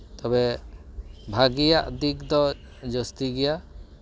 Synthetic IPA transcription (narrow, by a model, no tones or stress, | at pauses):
t̪ɔbɛ | bʱaɡijaʔd̪ikd̪ɔ | d͡ʒɔst̪iɡɛja